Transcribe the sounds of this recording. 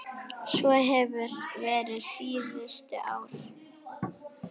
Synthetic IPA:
svɔɦɛvʏɾ̥vɛːɾɪsiːðʏst̪ʏʔaːwɾ̥

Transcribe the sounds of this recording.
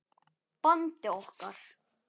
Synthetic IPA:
pant̪ɪɔhkaɾ̥

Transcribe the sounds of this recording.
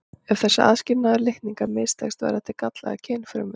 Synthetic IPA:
ɛv̥θɛsːa̰ʔa̰ðscɪɾnaðʏɾlɪht̪niŋkaɾmɪːst̪ʰɛ̰xst̪va̰ɾaht̪ʰɪɾkat̪la̰ɣacʰɛːnfɾʏ̰mʏ̥

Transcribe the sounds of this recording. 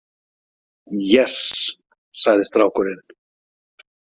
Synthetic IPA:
jɛs | saðest̪ɾawkoɾen

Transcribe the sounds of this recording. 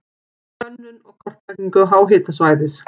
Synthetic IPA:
œnːʏnɔɣkʰɔr̥t̪akniŋkʏðɦaːwɦɪːt̪asvaːjðɪs

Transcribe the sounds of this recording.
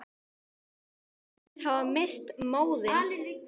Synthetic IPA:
ɪɾ̥havamest̪moːwðɪ

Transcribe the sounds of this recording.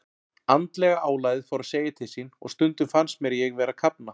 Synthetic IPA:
ant̪lɛɣaʔaːwlajðɪfawɾaseːjɪt̪ʰɪlsinɔ̰ɣst̪ʏnt̪ʏfansmjɛɾjɛɣvɛːɾakʰapna

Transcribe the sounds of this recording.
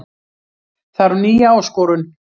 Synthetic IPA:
θaɾniːjaɔskɔːɾʏn

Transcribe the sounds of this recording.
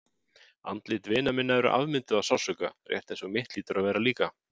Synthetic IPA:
a̰nt̪lɪt̪vɪːnamɪnːaɛɾʏ̰ʔa̰vmɪnt̪ʏðasawsœkarjɛ̰ht̪ɛnsɔmɪht̪liːt̪ʏɾʔaðvɛːɾaliːka

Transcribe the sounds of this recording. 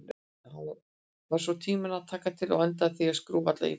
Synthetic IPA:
han | vaɾ̥svɔt̪ʰiːmɪnaðt̪ʰaːkat̪ʰɪlɔɣɛlt̪̬aðθiaskɾuːvat̪la̰ḭ

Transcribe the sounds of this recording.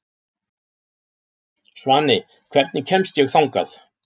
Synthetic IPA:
svanːɪ | kʰv̥ɛɾt̪nɪcʰɛmst̪jɛɣθawŋka̰θ

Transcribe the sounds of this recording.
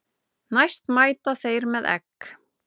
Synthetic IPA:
najst̪maːjt̪aθejɾmɛðɛ̰k

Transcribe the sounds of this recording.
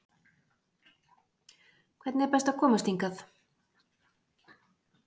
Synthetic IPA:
kʰvɛt̪nɛɾpɛst̪akʰɔːmast̪iŋkaθ

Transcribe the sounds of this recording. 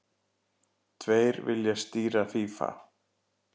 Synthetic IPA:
t̪ʰveːjɾvɪ̰ljast̪iːɾaθiːfa̰

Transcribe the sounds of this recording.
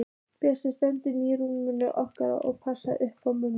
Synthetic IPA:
pɛːsɪst̪ɛnt̪ʏniːɾuɪnːʏ̰ʔɔhkaɾa̰ɔɣpʰasaʔʏhpawmun

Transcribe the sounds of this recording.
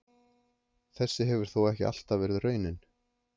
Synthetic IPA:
θɛsːɪɦɛvʏɾ̥θowɛhcɪ̰a̰l̥t̪avɛːɾɪðrœːɥnɪn

